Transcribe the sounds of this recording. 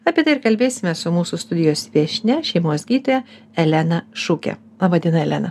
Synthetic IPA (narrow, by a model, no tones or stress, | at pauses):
ɐːpʲiɛt̪ɐɪɪɾkɐlʲbʲeːsʲɪmʲɛsʊmuːsʊst̪ʊd̪ʲɪjoːsʲʋʲiɛʃʲnʲɛʃʲɛɪmuɔsɡʲiːt̪oːjɛ | ɛlʲænɐʃukʲɛ̰ɑːbɐd̪ʲiːnɐɛlʲɛnɐ